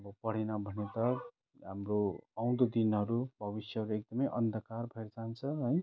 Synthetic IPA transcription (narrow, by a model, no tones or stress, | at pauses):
ʌbʌpʌɽ̤enʌbʱʌnet̪ʌ | ɦamroaw̃d̪od̪inɦʌɾubʱʌbisjʌɦʌɾuek̚d̪ʌmʌjʔʌnd̪ʱʌkarbʱʌeɾd͡zant͡sʰʌɦʌj